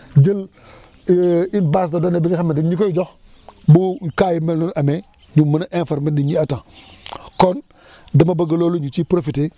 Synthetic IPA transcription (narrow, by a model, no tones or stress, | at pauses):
d͡ʒil | inbasdodonebiɡixamendiɲikojid͡ʒox | buŋkaːjimelnunʔame | ɲumunaʔenfaɾmindiɲiatãkon | damabaɡaloːluɲut͡ʃipɾofite